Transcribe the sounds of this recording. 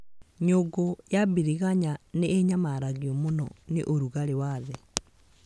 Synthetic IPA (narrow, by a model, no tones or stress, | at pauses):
ɲoɡojabiɾiɣaɲaneeɲamaɾaɣiɔmonɔ̰neʔoɾuɣaɾewaðɛ